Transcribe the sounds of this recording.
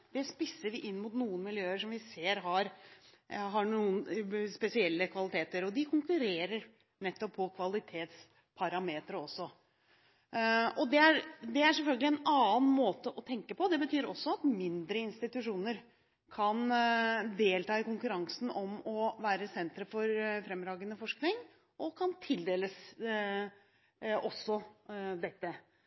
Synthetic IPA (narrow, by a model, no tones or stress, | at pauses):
d̪̥ɛspɪsːəɾʋɪʔɪnːmʊt̪nuːənmɪljøːəʂɔmʋɪseːɾɦɑɾ | ɦɑɳuːənspɛsɪɛlːəkʰʋɑlɪt̪ʰeːt̪əɾɔd̪ɪkʰʊŋkʉɾeːɾəɾ | nɛt̪ːɔppʰɔkʰʋɑlɪt̪ʰeːt̪s | pʰɑɾɑmeːt̪ɾəɔsːɔ | ɔd̪ɛæɾd̪ɛæʂɛlfœlɡəlɪɛnɑːnmoːt̪əʔɔt̪ʰɛŋkəpɔd̪ɛbət̪ʰyːɾɔsːɔɑt̪mɪnd̪ɾəɪnst̪ɪt̪ʉʂuːnəɾ | kʰɑnd̪eːlt̪ɑːɪkʊŋkʉɾɑŋsn̩ɔmɔʋæːɾəsɛnt̪ɾəfɔɾfɾɛmːɾɑːɡənəfɔʂknɪŋ | ʔɔkʰɑnt̪ʰɪld̪eːləs | ʔɔsːɔd̪ɛt̪ːə